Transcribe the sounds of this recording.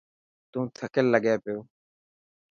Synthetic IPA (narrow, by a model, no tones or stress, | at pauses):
t̪ũːt̪ʰəkəlːəɡeːpɪjoː